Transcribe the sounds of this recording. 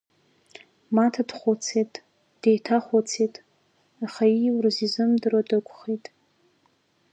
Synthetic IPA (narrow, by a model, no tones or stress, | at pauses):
matʰadχʷot͡sʰetʼ | d̥ejtʰaχʷot͡sʰetʼ | aχaiwrɨzizɨmdɨradɨkʷʰʼχejtʼ